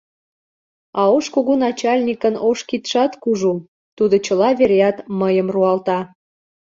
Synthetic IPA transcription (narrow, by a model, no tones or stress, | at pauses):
ɑoʃkoɣonɑt͡ɕɑlʲnʲikənoʃkit̪ʃɑt̪kuʒu | t̪ud̪ot͡ɕəlɑβeɾeɑt̪məjəmruɑlt̪ɑ